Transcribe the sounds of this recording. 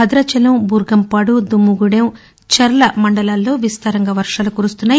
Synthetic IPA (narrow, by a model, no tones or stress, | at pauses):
ɐd̪ɾɐt͡ʃɐlɐmbuːɾɡɐmpaːɽud̪umːuɡuɽem | t͡ʃɐɾlɐmɐɳɖɐlaːlːo̞ːʋist̪ɐɾɐŋɡɐʋɐɾʂaːlukuːɾust̪unːaː